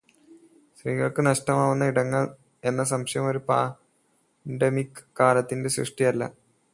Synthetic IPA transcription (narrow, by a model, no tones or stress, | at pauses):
sriːɣɐɭkɨnɐʂʈɐmaːʋunːɐiɽɐŋːɐɭ | e̞nːɐs̬ɐmɕɐjɐmo̞ɾupaː | ɳɖemikːaːlɐt̪ːinde̞ɕrɨ̰ʂʈijɐlːɐ̰